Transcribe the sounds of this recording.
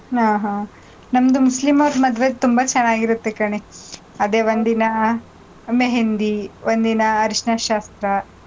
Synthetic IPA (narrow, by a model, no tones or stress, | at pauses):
ɦaːɦaː | nɐmd̪umuslimɐʋt̪mɐd̪ʋet̪umbɐt͡ʃɐnːaːɡiɾut̪ːekɐɳe | ɐd̪eːʋond̪inɐ | meɦend̪iʋond̪inɐːɾiʂnaʃaːst̪ɾɐ